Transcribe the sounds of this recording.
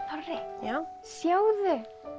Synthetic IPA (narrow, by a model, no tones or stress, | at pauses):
ɔrɪjaːwsjaːwðɪ